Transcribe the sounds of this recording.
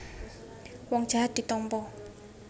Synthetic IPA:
wɔŋd̥ʒ̥a̤ɦat̪̚d̥̪i̤t̪ɔmpɔ

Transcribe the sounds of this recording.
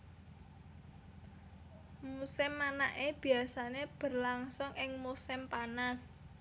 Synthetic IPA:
musɪmːanaʔeb̥i̤asaneb̥ərlaŋsʊŋɪŋmusɪmpanas

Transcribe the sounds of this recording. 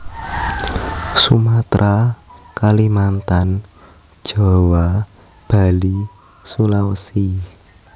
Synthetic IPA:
sumat̪ɾʔakalimant̪an̥ | ʒ̥ɔ̤wa | b̥a̤li | sulawəsi

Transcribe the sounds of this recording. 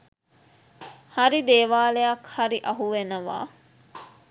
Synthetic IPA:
haɾid̪eːʋaːlejɐkhɐɾiʔɐɦuʋenəʋa̰ː

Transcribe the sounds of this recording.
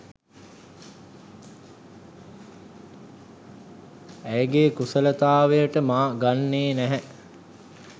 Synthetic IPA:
æjəɡeːkusələt̪aːʋejəʈəmaːɡanːeːnæɦɛ

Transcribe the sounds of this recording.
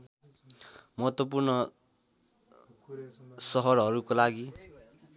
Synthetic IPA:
mʌɦʌt̪ːop̬urnʌ | sʌɦʌrʌɾukolaɡi

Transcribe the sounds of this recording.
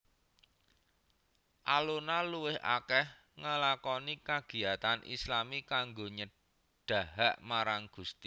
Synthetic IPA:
ʔalonaluwɪhʔa̰kɛh | ŋəlakɔnikaɡ̥i̤at̪anʔḭslamikaŋɡoɲə | ɖ̥a̤ɦaʔmaɾaŋɡ̥ust̪i

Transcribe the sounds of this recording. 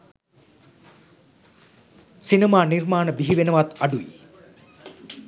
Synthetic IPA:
sinemaːnirmaːnəbiɦiʋenəʋat̪ɐɖuḭ

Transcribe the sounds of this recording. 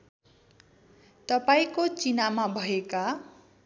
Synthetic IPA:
t̪ʌpaĩkot͡sinamabʱʌeka

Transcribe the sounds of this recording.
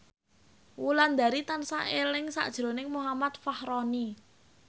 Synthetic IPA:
wuland̪a̤ɾit̪ansa̰ʔelɪŋsa̰ʔd̥ʒ̥ɾo̤nɪŋmuɦamat̪̚fahɾɔni

